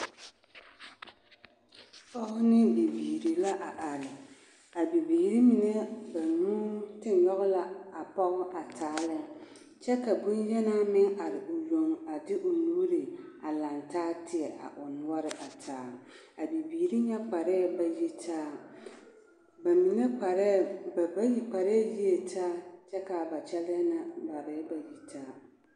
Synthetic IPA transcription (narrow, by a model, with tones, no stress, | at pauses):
pɔ˦ɣʊ˦nɪ˦bi˨biː˨ɾi˨la˦ʔa˨ʔa˨ɾɪ˨ | a˨bi˨biː˨ɾi˦mɪ˨ŋɛ˦ba˨nuː˦tɪ˦n˨jɔ˦ɣʊ˦la˨a˨pɔ˦ɣʊ˦ʔa˨tʰaː˨˦lɪ˦ | t͡ʃɛ˦ka˨bʊ˦njɛ˦naː˦mɪ˦ŋa˨ɾɪ˨ʊ˨jo˨ŋa˨dɪ˦ʔʊ˨nuː˦ɾi˨a˨la˨ntaː˦tɪ˦ɛ˨ʔa̰˨ʔʊ˨nʊ˦ɔ˦ɾɪ˨ʔa˨tʰaː˦ | a˨bi˨biː˨ɾi˦ɲɛ˦k͡pa˨ɾɛ˦ba˨ji˦tʰaː˦ | ba˨mi˨ŋe˦k͡pɾba˦ji˦k͡pa˨ɾɛ˦ji˦e˨tʰaː˦t͡ʃɛ˦ka˨ba˨t͡ʃɛ˦lɪ˦ɛ˦na˨ba˨ɾɛ˦ba˨ji˦tʰaː˦